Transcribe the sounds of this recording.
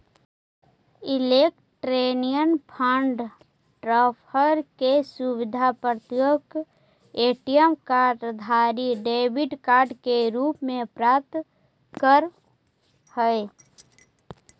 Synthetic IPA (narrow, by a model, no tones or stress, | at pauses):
ɪlek | ʈɾenijənpʰaɳɖ | ʈɾapʰəɾkesuwɪd̪ʱapɾət̪joɡ | eːʈijəmkaːɖd̪ʱaːɾiɖeːbɪɖkaːɾɖkeɾuːpmẽpɾaːt̪ | kəɾ | həe